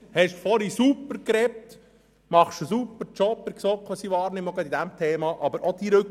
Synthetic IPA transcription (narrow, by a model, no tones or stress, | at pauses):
hɛʃfɔɾisupːəɾkɾɛp̚t̪ | mɑχʃəsupːəɾt͡ʃɔpəɾksɔkχʋɑsiʋɑːɾnɪmːɔɡɑd̪id̪æmt̪ʰeːmɑʔɑbəɾʔod̥̪iɾɵk